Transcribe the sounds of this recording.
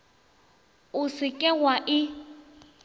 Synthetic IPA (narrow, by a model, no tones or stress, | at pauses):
ʊsɪkʼɛwaʔɪ